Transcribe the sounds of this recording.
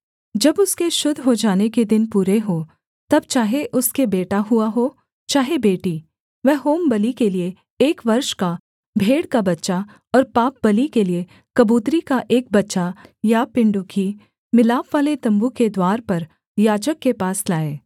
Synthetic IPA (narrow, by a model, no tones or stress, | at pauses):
d͡ʒɐbʊskeʃʊd̪ʱɦod͡ʒaːneked̪ɪnpuːɾeɦo | t̪ɐb̚t͡ʃaːɦeʔʊskebeːʈaɦuaɦoː | t͡ʃaːɦebeːʈi | ʋɛɦɦoːmbɐlikelie | eːkʋɐɾʃka | bʱeːɽkabɐtːʃa | ɔːɾpaːp̚bɐlikelie | kɐbuːt̪ɾikaʔeːk̚bɐtːʃajapɪ̃ɳɖʊkʰi | mɪlaːpʋaːlet̪ɐ̃mbuked̪waːɾpɐɾ | jaːd͡ʒəkːepaːslaːeː